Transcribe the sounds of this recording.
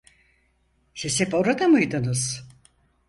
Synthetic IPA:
sisepo̞ɾad̪amɯjd̪ɯnɯz̥

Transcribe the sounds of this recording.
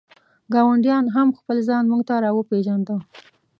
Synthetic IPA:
ɡɑwaɳɖjɑnɦamxpəlzɑnmuɡt̪aɾɑwəpeʒand̪ə

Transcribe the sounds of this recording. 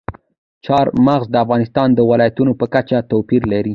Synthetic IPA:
t͡ʃɑɾmaɣzd̪əafɣɑnɪst̪ɑnd̪əwɪlɑjat̪unopəkat͡ʃat̪opiɾlaɾi

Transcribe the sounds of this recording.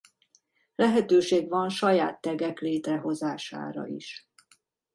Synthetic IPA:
lɛɦɛt̪øːʃeːɡvɒnʃɒja̰ːt̪ːɛɡɛkleːt̪rɛɦo̞zaːʃa̰ːɾɒ̰ḭʃ

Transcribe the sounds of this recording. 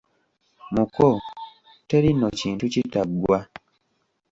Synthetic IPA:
muko | te̞ɾinociːntucitaɡwa

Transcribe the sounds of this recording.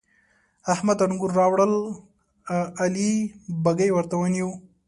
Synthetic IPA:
ahmad̪ɐnɡuɾːɑwɽəl | ɐlibaɡəjwɐɾt̪awɐnju

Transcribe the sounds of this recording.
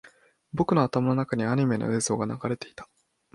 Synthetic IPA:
bo̞kɯ̟noat̪amano̞nakaɲ̟iaɲ̟ime̞no̞̰e̞ːzo̞ːɡanaɡaɾe̞t̪e̞i̥t̪ḁ

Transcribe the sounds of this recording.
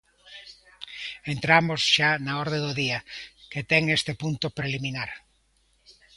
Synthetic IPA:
ent̪ɾamozʃanaɔɾðed̪ʊðiɐket̪ɛŋest̪epunt̪ʊpɾeliminaɾ

